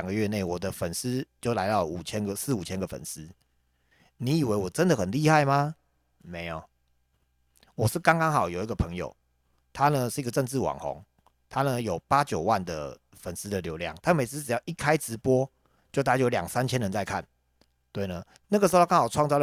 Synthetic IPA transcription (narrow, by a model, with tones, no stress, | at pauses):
ŋɡə˩˦ɥɛ˥˧ne˥˩ɪwɔ˨˩d̪ə˦fə˨˩ns̩˦t͡ɕjo˥˩ʊla˧˥ɪt̪ɑ˥˩u˨˩t͡ɕʰjɛ˦˥nɡə˨sɹ̩˥˩˨u˨˩t͡ɕʰjɛ˦˥nɡə˨˩fə̰˨˩ns̩˦ | ni˨˦i˨˩we˧˦ɪwɔ˨˩ʈ͡ʂə˦nd̪ə˨xə˨˩nli˥˧xa˥˩ɪma˨ | me˨˧˥ɪɔ˨ | wɔ˨˩ʂɻ̩˥˩kɑ˥ŋkɑ˥ŋxɑ˨˩ʊjo˨˩i˧˦ɡə˨pʰə˧˦ŋjo̰˨˩ʊ | t̪ʰa˦nə˨ʂɻ̩˥˩i˥ɡə˨ʈ͡ʂə˥˧ŋt͡sɻ̩˥˩wɑ̰˨˩ŋxɔ̰˧˦ŋ | t̪ʰa˦˥nə˨jo˨˩ʊpa˦t͡ɕjo˨˩ʊwa˥˩nd̪ə̰˩ | fə˨˩ns̩˥d̪ə˨ljo˧˥ʊljɑ̰˥˩ŋt̪ʰa˥me˧˥ɪt͡s̩˥ʈ͡ʂɻ̩˨˩jɑ˥˩ʊʔi˦˥kʰa˦˥ɪʈ͡ʂɻ̩˧˥pwɔ˦˥ | t͡ɕjo˥˧t̪a˥˩a˥jo˧˥ljɑ̰˨˩ŋsa˦˥nt͡ɕʰjɛ˦nɻə˧˦nt͡sa˥˧ɪkʰa̰˥˨n | t̪we˥˩ɪnə˩ | na˥˩ɡə˩ʂɻ̩˧˥kŋxɑ˨˩wɑ˥˧ŋt͡sɑ˥˧ʊ